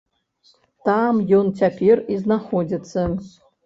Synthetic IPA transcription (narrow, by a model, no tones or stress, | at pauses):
tʰamjontʰʲapʲʰerʲiznaχod͡zʲit͡sʰɐ